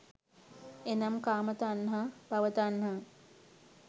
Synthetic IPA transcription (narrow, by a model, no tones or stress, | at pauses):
enɐmkaːmət̪əːnɦapɐʋət̪əːnɦa